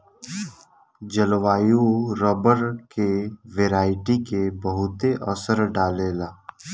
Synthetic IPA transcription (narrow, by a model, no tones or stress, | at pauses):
d͡ʒəlʋaːjuɾɔːbəɾkeʋeːɾaːɪʈikebəɦʊt̪eʔɔsəɾɖaːlelaː